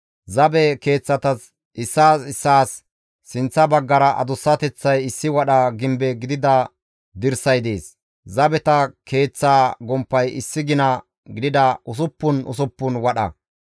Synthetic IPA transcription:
zɐbɛke̞ːt͡sːɐt̪ɐs | ʔɪsːaːsɪsːaːsː | ɪnt͡sːɐbɐɡːɐɾɐʔɐ̰d̪ʊsːɐt̪ɛt͡sːɐjɪsːɪwɐɗɐɡɪmbɛɡɪd̪ɪd̪ɐ | d̪ɪɾsɐjd̪e̞̰ːs | zɐbɛt̪ɐke̞ːt͡sːaːɡɔmpːɐjɪsːɪɡɪnɐ | ɡɪd̪ɪd̪ɐʔʊs̬ʊpːʊnʊ̰sʊpːʊnwɐɗɐ̰

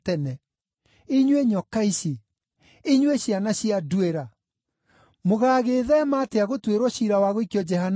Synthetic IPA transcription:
tɛnɛ | iɲweɲɔkaiʃi | iɲweɕjanaɕiadweɾa | moɣaːɣeːðɛmaːteaɣotweɾɔɕiɾawaɣoikjɔd͡ʒɛhan

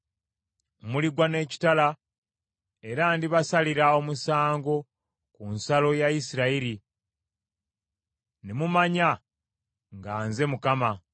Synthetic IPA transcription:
muliɡwane̞ːci̥tala | e̞ɾandiβasaliɾao̞musaːŋɡo̞ | kunsalo̞jaisiɾaiɾi | nemumaɲa | ŋɡaːnze̞mukama

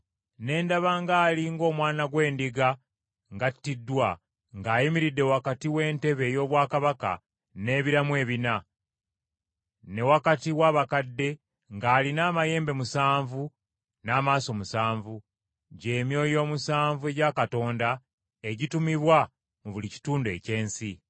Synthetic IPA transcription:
ne̞ːndaβaŋɡaːliŋɡo̞ːmwaːnaɡwe̞ːndiɡa | ŋɡatːidːwa | ŋɡaːjimiɾidːewakatiwe̞ːnte̞βe̞ːjo̞ːβwaːkaβaka̰ | ne̞ːβiɾamwe̞ːβina | ne̞wakatiwaːβakadːe̞ | ŋɡaːlinaːmaje̞ːmbe̞musaːɱvu | naːmaːso̞musaːɱvu | ɟe̞ːmjo̞ːjo̞ːmusaːɱvue̞ɟakato̞ːnda | eɟitumiβwa | muβulici̥tuːndue̞̰ce̞ːnsi

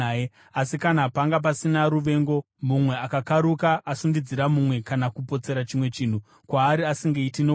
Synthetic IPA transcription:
asikanapaŋɡap̬asinaɾuʋe̞ːŋɡo̞ | mumwe̞akakaɾukaʔːsundid͡ziɾamumwe̞kanakupo̞t͡se̞ɾat͡ʃimwe̞t͡ʃiːn̤u | kwaːɾiasiŋɡeitino

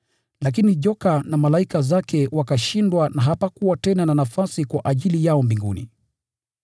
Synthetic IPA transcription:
lak̬iniʄɔkanamalaikazakɛwakaʃindwanaɦapakuwatɛnananafasikwaʔaʄilijaɔmbiŋɡṵnḭ

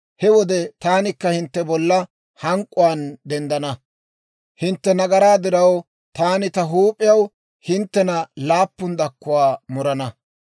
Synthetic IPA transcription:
hɛwɔd̪ɛt̪aːnɪkːɐhɪnt̪ːɛbɔlːɐ | hɐŋkʼʊwaːnd̪ɛnd̪ɐnɐ | hɪnt̪ːɛnɐɡɐɾaːd̪ɪɾɐw | t̪aːnɪt̪ɐɦuːpʼːɪjɐw | hɪnt̪ːɛnɐlaːpːʊnd̪ɐkːʊwaːmʊɾɐnɐ

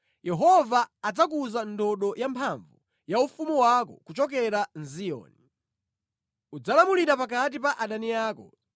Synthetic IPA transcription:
jɛɦɔvaːd͡zak̬uzandɔɗɔjampʰaɱvu | jaufumuwakɔ̰kut͡ʃɔk̬ɛɾanzijɔ̰ːni | ud͡zalamuliɾapak̬at̬ipaʔaɗaniaːkɔ

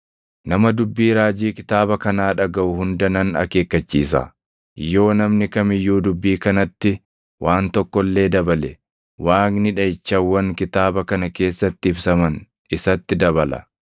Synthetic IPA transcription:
nɐmɐd̪ʊbːiːɾaːd͡ʒiːkɪ̥t̪aːbɐkɐnaːᶑɐɡɐʔʊhʊnd̪ɐnɐnɐ̰ke̞ːkːɐt͡ʃːiːsɐ̰ | jːo̞ːnɐmnɪkɐmɪjːuːd̪ʊbːiːkɐnɐt̪ːɪ | wʔaːnt̪ɔkːɔlːe̞ːd̪ɐbɐlɛ | waːknɪᶑɐɪt͡ʃːɐwːɐŋkɪt̪aːbɐkɐnɐke̞ːsːɐt̪ːɪɪbsɐmɐn | ɪsɐt̪ːɪd̪ɐβɐlɐ̰

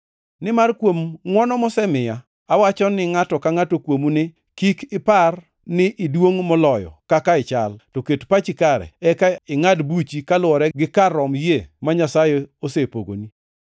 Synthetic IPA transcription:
nɪmarkwomŋwɔnɔmɔsɛmɪjaː | wat͡ʃɔnɪŋatɔkaŋatokwomunɪ | kikɪpar | nɪʔɪdwoŋmɔlɔjɔ̰kakaɪt͡ʃaltɔketpat͡ʃikaɾɛ̰ɛkaɪŋadbut͡ʃikalwɔɾɛɡɪkarɔmjemaɲasajɛosepo̰ɡo̰ni

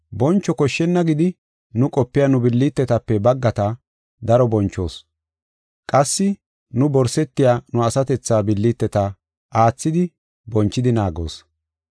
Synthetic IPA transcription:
bɔnt͡ʃːɔkɔʃːɛnːɐɡɪd̪ɪ | nʊkʼɔpːɪjɐnʊbɪlːit̪ːɛt̪ɐpːɛbɐɡːɐt̪ɐ | d̪ɐɾɔbɔnt͡ʃːo̞̰ːs | kʼɐsːɪ | nʊbɔɾsɛt̪ːɪjaːnʊɐsɐt̪ɛt͡sːaːbɪlːit̪ːɛt̪ɐ | aːt͡sːɪd̪ɪ | bɔnt͡ʃːɪd̪ɪnaːɡo̰ːs

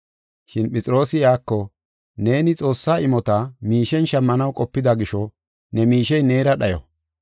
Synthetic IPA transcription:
ʃɪnpʼɛt͡sʼɪɾo̞ːsɪjaːkːɔ | ne̞ːnɪt͡sʼo̞ːsːaːɪmɔt̪ɐmiːʃɛnʃɐmːɐnɐwkʼɔpːɪd̪ɐɡɪʃɔ | nɛmiːʃɛjne̞ːɾɐɗɐjɔ̰

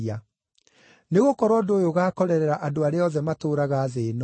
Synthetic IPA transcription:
a | neɣokɔɾwɔdoːjoɣaːkɔɾɛɾɛɾaʔadoaɾeɔðɛmatoːɾaɣaːðeːnɔ

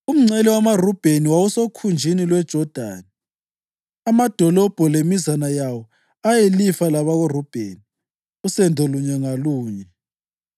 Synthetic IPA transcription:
um̩ŋ͡ǀɛliwamarub̥ʱeniwawusokʰund͡ʒʱinilwɛd̥ʒ̥ʱɔd̥ʱa̰ːni | amad̥ʱɔlɔb̥ʱɔlemizanajawɔ | ajelifalaβaɣurub̥ʱḛni | usɛndʱoluɲɛŋaluːɲɛ

